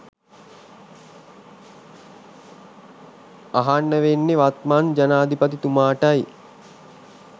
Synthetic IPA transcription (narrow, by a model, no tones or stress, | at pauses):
aɦanːəʋenːeʋat̪mand͡ʒanaːd̪ʱipət̪it̪umaːʈaj